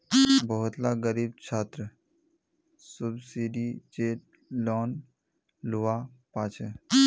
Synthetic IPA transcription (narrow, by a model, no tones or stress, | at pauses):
bəɦʊt̪laɡəɾiːb̚t͡ʃʰaːt̪ɾə | sʊbsiːɖid͡ʒeːʈ | lɔːn | luʋapaːt͡ʃʰe